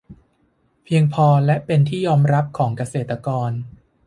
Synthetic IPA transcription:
pʰi˧əŋpʰɔː˧lɛ˦˥ʔpe˧nt̪ʰiː˥˩jɔː˧mɾa˦˥p̚kʰɔː˩˦ŋka˧seː˨˩t̪ːɾa˧kɔː˧n

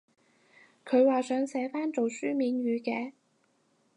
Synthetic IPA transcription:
kʰɵ˨˧ɥwaː˨sœː˨˧˥ŋsɛː˨˥faː˥nt͡so˨wsyː˥miː˨˧nɥyː˨˧kɛː˧

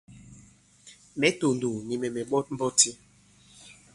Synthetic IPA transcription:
mɛ˦to˨ndu˨ɲi˨mɛ˨mɛ˨bɔ˦m̩˦bɔ˦ti˦

